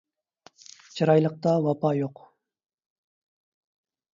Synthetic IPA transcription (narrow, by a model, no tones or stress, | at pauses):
t͡ʃʰiɾɑjlˠəq̚t̪ɑwɑpɑjoq